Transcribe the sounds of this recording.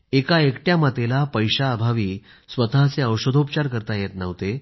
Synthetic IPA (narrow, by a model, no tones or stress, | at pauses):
ekaekʈjamat̪elapəjɕaːbʱaʋiː | sʋət̪aɦt͡seəwɕod̪ʱopt͡ɕaɾkəɾt̪ajet̪nəʋt̪e